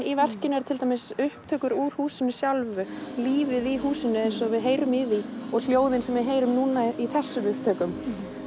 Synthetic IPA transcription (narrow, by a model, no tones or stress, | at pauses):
ivɛr̥cɪnɛɾt̪ʰɪlt̪amɪsʏhpt̪ʰœːkʏɾuɾ̥huːsɪnʏsjawlvʏliːvɪðiɦuːsɪnːʏejnsɔavɪðɦeːjɾʏmɪðiɔɣl̥joːwðɪnsɛmvɪðɦeːjɾʏmnuːnaiθɛsːʏmʏhp̚t̪ʰœːkʏm